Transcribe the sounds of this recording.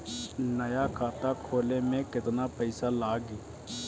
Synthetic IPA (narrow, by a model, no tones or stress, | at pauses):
nɐjakʰaːt̪akʰoːlemẽkɪt̪napəɪsalaːɡi